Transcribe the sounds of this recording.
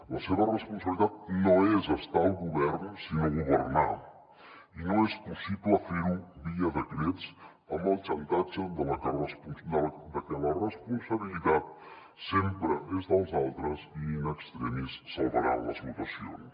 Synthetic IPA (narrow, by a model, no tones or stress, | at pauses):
ləseβərəspuns̬əβlit̪at̪̚noezəst̪alˠɣuβɛrnsinoɣuβərna | inoespusipləfeɾubiəðəkɾet͡s | əmbəlˠt͡ʃənt̪ad͡ʒəd̪ələkərəspund̪əld̪əkɛlərəspunsəβilit̪at̪̚ | sempɾəezðəlˠzalˠt̪ɾəzinəkst̪ɾəmissəlˠβəɾa̰lə̰zmut̪əsio̰n